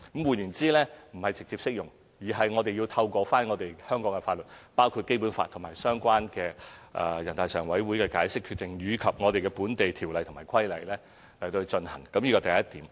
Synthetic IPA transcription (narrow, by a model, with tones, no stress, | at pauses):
kmwu˨njy˨˩nt͡siː˥lɛː˥m̩˨˩hɐ˨jt͡sɪ˨k̚t͡siː˧p̚sɪ˥k̚jʊ˨˩ŋ | jiː˨˩ɦɐ˨jŋɔː˨˧t̪e˨jiː˧wt̪ʰɐ˧wkɔː˧faː˥nŋɔː˨˧t̪e˨jhœː˥ŋkɔː˨˥ŋɛ˧faː˧t̚lɵ˨t̚paː˥wkʰu˧t̚ke˥jpuː˨˥nfa̰ː˧t̪ʰʊ˨˩ŋmaː˨˩jsœː˥ŋkʷaː˥nkɛː˧ʔɛ̰˧jɐ˨˩nt̪aː˨jsœː˨˩ŋwɐ˨˥jwu˨˥jkɛː˧kaː˨˥jsɪ˥kʰːy˧t̚t̪ɪ˨ŋjyː˨˧kʰɐ˨p̚ŋɔː˨˧t̪e˨jkɛ˧puː˨˥nt̪e˨jt̪ʰiː˨˩wlɐ˨jt̪ʰʊ˨˩maː˨˩jkʰɐ˥jlɐ˨˧jlɛː˥ | lɐ˨˩jt̪o˧t͡ʃɵ˧nhɐ˨˩ŋkɐ˨˧mjiː˥kɔː˧t̪ɐ˨jɐ˥t̚t̪iː˨˥m